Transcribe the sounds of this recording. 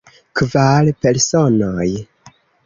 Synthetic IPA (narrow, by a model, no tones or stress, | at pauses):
kvalpe̞ɾsonoj